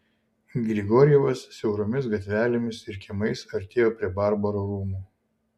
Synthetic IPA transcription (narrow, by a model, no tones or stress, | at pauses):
ɡɾʲɪɡɔɾʲɪjɛʋosːʲɛʊɾoːmʲɪsɡɐt̪ʲʋʲæːlʲɪmʲɪsɪɾʲkʲɪmɐɪsɐɾʲt̪ʲeːjoːpʲɾʲiɛbɑɾbɐɾoɾuːmuː